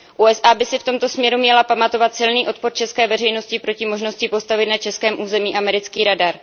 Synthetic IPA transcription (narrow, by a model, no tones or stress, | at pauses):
ʔuːʔɛsʔaːbɪsɪft̪o̞mt̪o̞smɲɛɾumɲɛlapamat̪o̞vat̪sɪlniːʔo̞t̪̚poɾt͡ʃɛskɛːvɛrɛjno̞scɪpɾo̞cɪmo̞ʒno̞scɪpo̞st̪avɪt̪nat͡ʃɛskɛːmʔuːzɛmiːʔamɛɾɪt͡skiːɾadaɾ